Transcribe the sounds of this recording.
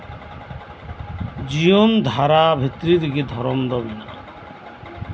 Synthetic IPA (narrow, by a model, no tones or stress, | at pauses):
d͡ʑijond̪ʱaɾabʱit̪ːɾid̪iɡed̪ʱɔɾɔmd̪ɔbina